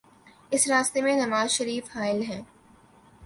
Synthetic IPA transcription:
ɪsɾaːst̪emẽnɐʋaːzʃɐɾiːfhaːɪlɦɛ̃ː

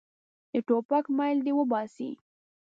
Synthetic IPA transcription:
d̪əʈopakmajld̪ewəbɑsḭ

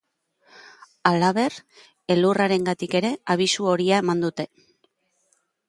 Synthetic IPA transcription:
alaβe̞r | e̞luraɾe̞ŋɡat̪ike̞ɾe̞aβ̞isuo̞ɾiae̞mand̪ut̪e̞

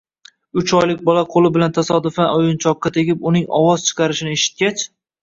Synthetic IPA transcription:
ʊt͡ʃʰɒjlɪk̚ʲbɒlˠaqʰolˠɪbɪlant̪ʰasɒd̪ʊfaʊjʊnt͡ʃʰɒqːɑt̪ʰe̞ɡʲɪpʊnɪŋɒ̰wɒz̥t͡ʃʰɨ̥qʰɑɾɪʃɪnɪeʃɪ̥t̪̚kʲat͡ʃ

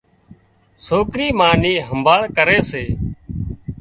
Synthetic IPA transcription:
soːkɾiːmaːniːɦəmbʱaːɭkəɾeːseː

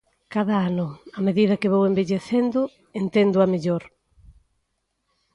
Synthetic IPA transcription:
kaðɐanʊameðiðɐkɪβowembeʎeθend̪ʊ | ent̪end̪ʊameʎoɾ

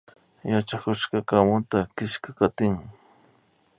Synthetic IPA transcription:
jat͡ʃakʊʃkɑkamʊt̪akɪʃkakat̪ɪŋ

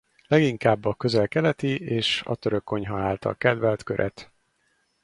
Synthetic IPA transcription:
lɛɡiŋkaːbːɒkø̞zɛlkɛlɛt̪ieːʃɒ̰t̪øɾøkːo̞ɲɦɒaːlt̪ɒ̰lkɛd̪vɛlt̪køɾʔɛ̰t̪

